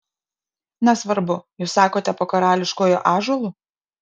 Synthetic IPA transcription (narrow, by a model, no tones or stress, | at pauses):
nʲɛsʋɐɾbʊjuːsːɑːkoːt̪ʲɛpoːkɐɾɑːlʲɪʃkoːjoʔɑːʒɔlˠuː